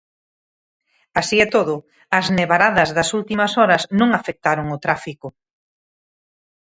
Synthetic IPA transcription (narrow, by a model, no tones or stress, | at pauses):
asiɛt̪oðʊ | ɐzneβaɾaðɐzðɐsult̪imɐsɔɾɐsnõŋafek̚t̪aɾʊŋʊt̪ɾafikʊ